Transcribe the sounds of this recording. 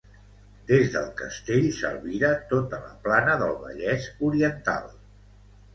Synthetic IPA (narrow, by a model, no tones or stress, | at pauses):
d̪ezðəlˠkəst̪eʎsə̰lˠβiɾat̪ot̪ələ̰planəðəlˠβə̰ʎɛzuɾiənt̪a̰lˠ